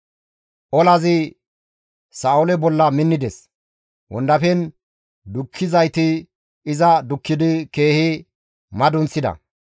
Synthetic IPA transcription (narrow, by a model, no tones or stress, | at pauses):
ʔɔlɐzɪ | saːʊlɛbɔlːɐmɪnːɪd̪ɛs | wɔ̰nd̪ɐfɛn | d̪ʊkʰːɪzɐjt̪ɪː | zɐd̪ʊkːɪd̪ɪke̞ːhɪ | mɐd̪ʊnt͡sːɪd̪ɐ̰